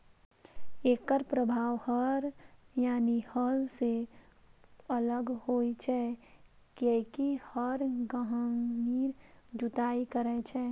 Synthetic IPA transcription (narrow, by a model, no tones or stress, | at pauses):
eːkəɾpɾəbʱaːʋhəɾjaːnihəlse | ələɡhoːit͡ʃʰɛ | kekihəɾɡəɦəniːɾd͡ʒʊt̪aːikəɾɛt͡ʃʰɛː